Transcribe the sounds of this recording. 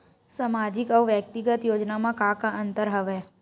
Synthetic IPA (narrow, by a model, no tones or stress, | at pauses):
səmad͡ʒikəʋʋjək̚t̪iɡət̪jod͡ʒnamãkakãʔənt̪əɾɦəʋe